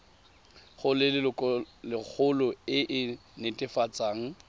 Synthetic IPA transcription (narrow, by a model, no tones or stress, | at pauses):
χʊlɪlɪlɪk͡xʰʊlʊɪʔɪnetʼɪfat͡sʼaːŋ̩